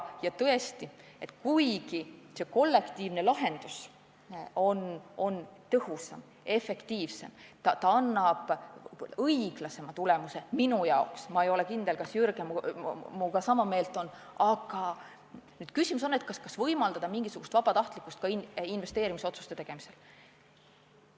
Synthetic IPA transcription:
jɑt̪ɤe̞st̪ie̞t̪ˑkujɡise̞ko̞lːe̞kt̪iːvne̞lɑɦe̞nd̪̥us | o̞no̞nt̪ɤhusɑ̰m | e̞fe̞kt̪iːvse̞̰mt̪ɑt̪ɑɑnːɑb̥ | ɤjɡ̥lɑse̞mɑt̪ule̞muse̞minujɑoksmɑejo̞lekind̪e̞lkɑsjyɾɡemmuɡɑsɑmɑme̞ːlt̪ˑo̞n | ɑɡ̥ɑ | nyːd̪̥̚kysimusonːet̪̚kɑskɑsvɤjmɑld̪̥ɑd̪̥ɑmiŋɡ̥isuɡ̥ust̪vɑb̥ɑt̪ɑht̪likːˑust̪̚kɑininve̞st̪eːɾimiso̞t̪su̥st̪et̪eɡ̥e̞mi̥se̞l

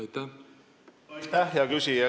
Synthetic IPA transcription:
jt̪æ | t̪æhjɑkysie

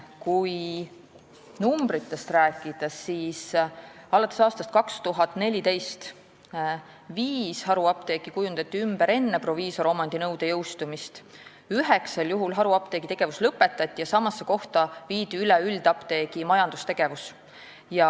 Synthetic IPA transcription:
kuj | numb̥ɾit̪ːe̞st̪ræːkːˑid̪̥ɑsːiːsɑlɑt̪ːˑesɑːst̪ɑst̪kɑkst̪uɦɑt̪ːˑne̞lʲit̪e̞jst̪ | viːshɑɾuɑp̚t̪e̞ːkikujund̪̥ɑt̪ʲˑːiymb̥eɾe̞nːe̞pro̞viːso̞ɾo̞mɑnd̪inɤwd̪̥e̞jɤwst̪umist̪ | yɦe̞kseljuɦulɦɑɾuɑp̚t̪e̞ːɡ̥it̪e̞ɡ̥e̞vuslɤpːˑe̞t̪ːˑɑt̪ʲːˑijɑsɑmɑsːeko̞ht̪ɑviːd̪̥iylɛyld̪̥ɑpt̪e̞ːɡ̥imɑjɑnd̪ust̪e̞ɡ̥e̞vus | jɑ

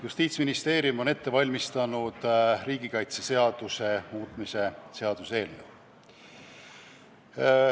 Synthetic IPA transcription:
just̪iːt̪sminist̪e̞ːɾiumo̞ne̞t̪ːe̞vɑlʲmist̪ɑnud̪̥rɾiːɡikɑjt̪sese̞ɑd̪̥use̞muːt̪ˑmise̞seɑd̪̥uselːṵ

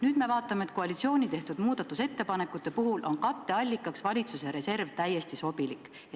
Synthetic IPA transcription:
nyːd̪me̞vɑːt̪ːˑɑme̞t̪ko̞ɑlʲit̪sio̞ːnit̪e̞ht̪ud̪̥muːd̪̥ɑt̪ːˑuse̞t̪ːe̞pɑne̞kːˑut̪ːˑe̞puɦulʔonkɑt̪ˑːe̞ɑlʲːikːˑɑksvɑlʲit̪suseɾe̞se̞rvt̪æjːe̞st̪iso̞bilikːˑ

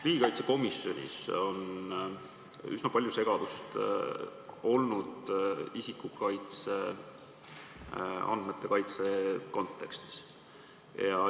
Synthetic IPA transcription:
riɡikɑjt̪se̞ko̞misjo̞nʲḭso̞n | ysnɑpɑlʲjuse̞ɡ̥ɑd̪̥ust̪ | o̞lnud̪̥isikukɑjt̪se̞ | ɑ̰nd̪̥met̪ˑːe̞kɑjt̪se̞ko̞nt̪ːˑe̞kst̪i̥s | jɑ

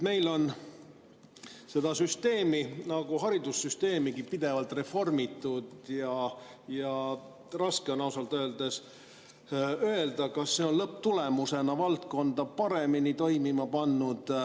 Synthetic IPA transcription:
me̞jlo̞n | se̞d̪̥ɑsyst̪e̞ːminɑɡ̥uɦɑɾid̪usːyst̪e̞ːmiɡipid̪̥e̞vɑlt̪re̞fo̞rmit̪ːˑud̪̥jɑjɑ | rɑskeonɑwsɑlt̪øːld̪̥es | ø̞e̞ld̪ɑkɑsːe̞onlɤp̚t̪ule̞muse̞nɑvɑlt̪̚ko̞nd̪̥ɑpɑɾe̞minit̪o̞jmimɑpɑnːud̪̥

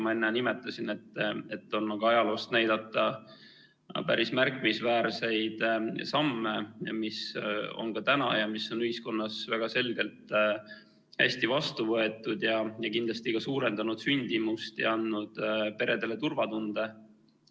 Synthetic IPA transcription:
mɑenːɛnimet̪ːˑɑsine̞t̪ːˑe̞t̪ːˑo̞nːɑɡ̥uɑjɑlo̞ːst̪næjd̪̥ɑt̪ːˑɑ | pæɾismærkːˑimisvæːɾse̞jd̪̥sɑmːe̞miso̰nkɑt̪ænɑ̰jɑmisːo̞nyhisko̞nːɑsvæɡ̥ɑse̞lɡe̞lt̪ | hæ̰st̪ivɑst̪uvɤ̞e̞t̪ːˑud̪jɑjɑkind̪lɑst̪ikɑsuːɾe̞nd̪̥ɑnud̪̥synʲd̪̥imust̪jɑ̰ɑnd̪ud̪̥pe̞ɾe̞d̪e̞le̞t̪urvɑt̪und̪̥e̞

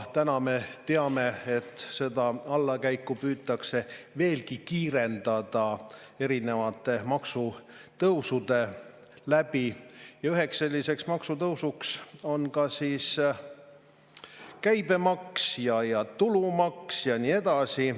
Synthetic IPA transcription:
t̪ænɑme̞t̪e̞ɑme̞et̪ːˑse̞d̪ɑɑlːɑkæjkːupyːt̪ːˑɑkse̞ve̞ːlkikiːɾe̞nd̪̥ɑd̪̥ɑ | e̞ɾine̞vɑt̪ːˑe̞mɑksu | t̪ɤwsud̪e̞ | læb̥ijɑyɦe̞ksːe̞lʲːise̞ksmɑksut̪ɤwsukso̞nkɑsis | kæjb̥e̞mɑksjɑjɑt̪ulumɑksjɑniːe̞d̪̥ɑsi

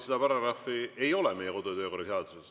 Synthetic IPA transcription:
sed̪ɑpɑɾɑɾɑfie̞jo̞lɛmejɛko̞d̪ut̪ø̞ːko̞rɑseɑd̪̥uses

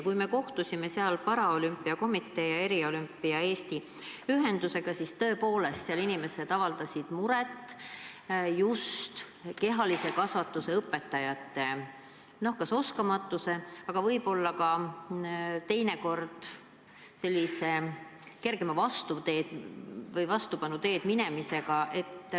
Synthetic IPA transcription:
kujme̞ko̞ht̪usʲime̞seɑlpɑɾɑo̞lympːˑiɑko̞mit̪ˑːe̞ːjɑe̞ɾio̞lympːˑiɑe̞ːst̪i | yɦe̞nd̪use̞ɡ̥ɑsist̪ɤ̞ːpo̞ːle̞st̪seɑlinime̞se̞d̪̥ɑvɑld̪̥ɑsid̪̥muɾet̪ː | just̪ | ke̞ɦɑlise̞kɑsvɑt̪ːˑuse̞ɤpːˑe̞t̪ːˑɑjɑt̪ːe̞ | no̞hkɑso̞skɑmɑt̪ːˑuse̞ɑɡ̥ɑvɤjb̥o̞lːɑkɑ | t̪e̞jne̞ko̞rd̪̥ | se̞lʲːise̞ke̞rɡ̥e̞mɑvɑst̪ut̪e̞ːd̪vɤjvɑst̪upɑnut̪e̞ːd̪̥minemise̞ɡ̥ɑʔe̞t̪ː

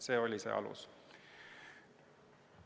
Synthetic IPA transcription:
se̞ːo̞lʲisḛʔɑ̰lṵs

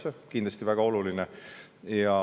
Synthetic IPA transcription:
ekind̪lɑst̪ivæɡ̥ɑo̞lulinejɑ

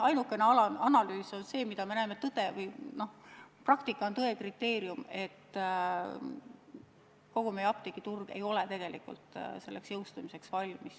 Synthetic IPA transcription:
ɑjnukːˑe̞neɑlɑɑnɑlyːso̞nse̞ːmid̪̥ɑme̞næemet̪ːɤd̪̥e̞vɤjno̞hprɑkt̪ikːˑɑont̪ɤekrit̪ːˑe̞ːɾiume̞t̪ː | ko̞ɡ̥ume̞jɑpt̪ikːˑit̪urɡ̥ḛjo̞let̪e̞ɡ̥e̞likṵlt̪ˑse̞lːe̞ksjɤwst̪umise̞ksvɑlʲmis

